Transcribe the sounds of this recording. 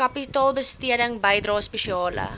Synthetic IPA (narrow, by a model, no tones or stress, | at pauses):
ɐpitɑːlˠbəstiədəŋbəjdrɑːspeʃiɑːlə̰